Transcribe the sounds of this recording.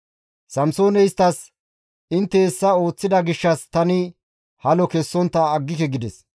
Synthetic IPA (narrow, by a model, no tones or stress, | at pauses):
sɐmso̞ːnɛjst̪ːɐs | ɪnt̪ːeːsːɐo̞ːt͡sːɪd̪ɐɡɪʃːɐst̪ɐnɪ | hɐlɔkɛsːɔnt̪ːɐːɡːɪkɛɡɪd̪ɛs